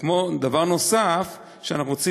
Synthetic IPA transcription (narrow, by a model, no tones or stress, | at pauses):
kmo̞d̪avaʁno̞saf | ʃeanaχnuʁot͡si